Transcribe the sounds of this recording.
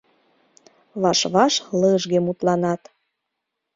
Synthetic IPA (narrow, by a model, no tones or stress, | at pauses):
βɑʃβɑʃləʒɣemut̪lɑnɑt̪